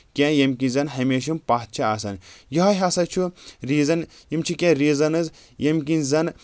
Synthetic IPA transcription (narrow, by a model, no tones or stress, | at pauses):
kʲẽjɐmkinzɐnɦɐmeːʃ̬impaːt̪̚t͡ʃʰiaːsɐnjɐɦɐɦʲasɐt͡ʃʰuɾiːzɐn | jimt͡ʃʰukʲẽɾiːzɐnɨz | jɐmk̬inzɐn